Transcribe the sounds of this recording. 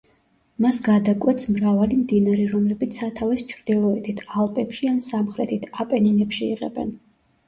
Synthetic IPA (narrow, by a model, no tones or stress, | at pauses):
masɡad̪akʼwɛt̪smɾavalimd̪inaɾiɾɔmlɛbit̪sʰat̪ʰavist͡ʃʰɾd̪ilˠɔɛt̪ʰit̪ʰalˠpʼɛpʃiansamχɾɛt̪ʰit̪ʰapʼɛninɛpʃiiʁɛ̰bɛ̰n